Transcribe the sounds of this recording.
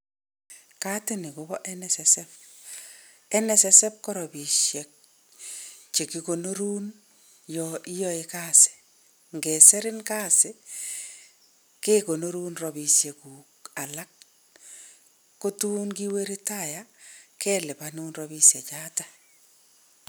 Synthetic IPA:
ka˦tɪ˦nɪ˨kʊ˦bɔ˦ʔɛnɛsɛsɛp | ɛ˦nɛ˨sɛsɛ˦p̚kɔ˦ɾɔ˨bi˨ʃɛ˨k̚ | t͡ʃe˨kiko˨no˦ɾu˦n | jɔi˦jɔ˦e˨kaː˦sɪ̥ | ŋɡɛ˨sɛ˦ɾɪ˦nka˦sɪ˦ | ke˦ko˨no˦ɾu˦nrɔ˨bisje˨kuː˨ka˨la˦k̚ | o˦tuː˦nki˦we˦ɾi˦tajakɛ˦lɪ˨panu˦nrɔbi˦sje˨t͡ʃaː˦ta

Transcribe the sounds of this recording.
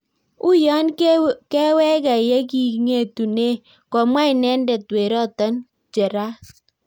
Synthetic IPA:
ʊ˦jɔ˦nkɛ˦wɛ˦ka˨jɛ˦ki˨ŋe˦˨tu˨ne˦ | kɔ˨mwa˦ɪ˨nɛ˦ndɛ˨twe˨ɾɔ˦˨tɔ˦n | d͡ʒɛ˨ɾa˦

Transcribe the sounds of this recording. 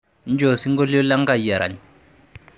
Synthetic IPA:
n˦d͡ʒo˨si˦ŋɡɔ˦lɔ˦la˦ŋ˦ɡa˨i˨a˨ɾa̰˨ɲ

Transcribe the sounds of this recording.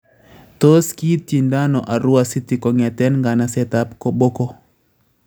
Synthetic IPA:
t̪o˦ski˦ti˨nda˦nɔ̰˨ʔa˨ɾʊ˦a˨si˦ti˨kɔ˨ŋɛ˨tɛ˦nŋɡa˨na˨sɛ˦ta˦pko˨bo˦kɔ˦

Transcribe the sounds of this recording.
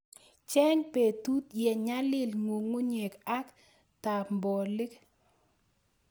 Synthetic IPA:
t͡ʃɛ˦ɲpe˨tu˦t̪jɛ˨ɲa˦lɪ˦lŋo˨ŋo˦ɲe˨ka˦k | ta˨mbɔ˨lɪ˦k

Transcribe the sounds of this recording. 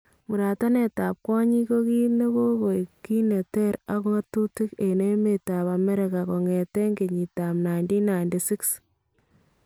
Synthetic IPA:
mu˨ɾa˨ta˦ne˨ta˨p̚kwɔ˦ɲi˦ko˦ki˦ne˦ko˦ko˨jki˦ne˨tɛ˦ɾa˦ko˦ŋa˦tu˦ti˦ke˨ne˦me˨ta˨pa˨me˦ɾe˨ka˨kɔ˨ŋe˨tɛ˦ŋe˨ɲi˨ta˨mna˨jndi˦na˨jndi˨si˦ks

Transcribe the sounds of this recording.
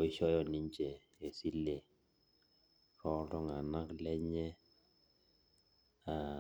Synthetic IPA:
ɪ˦ʃɔ˦jɔ˨ni˦ɲt͡ʃe˨ | e˨si˦le˨ | ɾɔ˦dɔ˦ŋa˨na˦klɛ˦ɲɛ˦ | a˨

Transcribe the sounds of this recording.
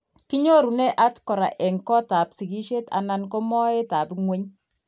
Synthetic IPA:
ki˦ɲo˦ɾu˨nɛ˦ʔa˦tkɔ˨ɾa̰˨ʔɛ˨ŋkɔ˦ta˨psi˨ki˦ʃe˦ta̰˨na˦nko˦mɔ˦e˦ta˨pŋwe˦ɲ

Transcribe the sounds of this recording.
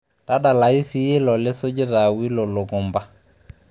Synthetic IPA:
ta˦da˨la˨i˦si˦je˦lɔ˨lɪ˦so˦d͡ʒɪ˦ɾa˨wi˦lo˨lo˨ɡɔ˨mba˦

